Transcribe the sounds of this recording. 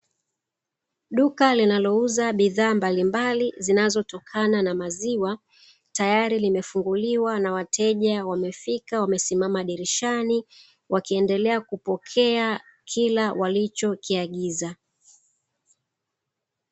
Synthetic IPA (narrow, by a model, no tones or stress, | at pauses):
ɗukalinalɔuzaɓiðaːmbalimbalizinazɔtɔkʰananamaziwa | tajaɾilimɛfuŋɡuliwanawatʰɛʄawamɛfikawamɛsimamaɗiɾiʃani | wʔakiɛndɛlɛakupɔkʰɛa | kʰilawalit͡ʃɔkiaɠiza